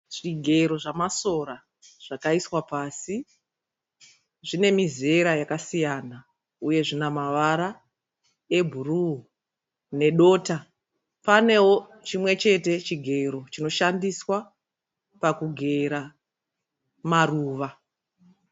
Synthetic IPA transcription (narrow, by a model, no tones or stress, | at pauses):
ʐ̥iɡʱe̞ɾo̞ʐamaso̞ɾa | ʐ̥akaiswapaːsi | ʐine̞mize̞ɾajakasijana | uje̞ʐinamaʋaɾa | e̞bʱuru | ne̞ɗo̞ːta | pane̞wo̞ | t͡ʃimwe̞t͡ʃe̞te̞t͡ʃiɡʱe̞ɾo̞t͡ʃino̞ʃandiswa | pakuɡʱe̞ɾa | maruːʋa